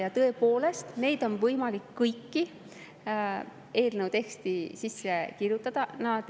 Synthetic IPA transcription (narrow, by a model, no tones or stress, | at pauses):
jɑt̪ɤ̞epo̞ːle̞st̪ne̞jd̪̥o̞nvɤjmɑlikːɤjkːi | e̞ːlnəwt̪e̞kst̪isisːekirjut̪ːˑɑd̪̥ɑnɑd̪